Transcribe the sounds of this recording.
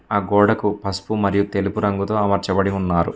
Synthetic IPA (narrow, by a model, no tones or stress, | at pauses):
aːɡɔːɽɐkupɐspumɐɾijut̪e̞lupuɾɐŋɡut̪o̞ːɐmɐɾt͡ʃɐbɐɽiunːaːɾṵ